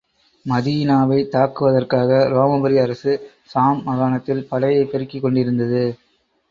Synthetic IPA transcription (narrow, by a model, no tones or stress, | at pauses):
mɐðiːnaːʋɐɪt̪aːkːɯʋɐðɐrkaːɣɐɾoːmɐbɐɾiɐɾɐsɯ | saːmːɐɣaːnɐt̪ːɪlpɐlɐjɐɪpɛɾɯkːɪkːɔɳɖɪɾɯnd̪ɐðɯ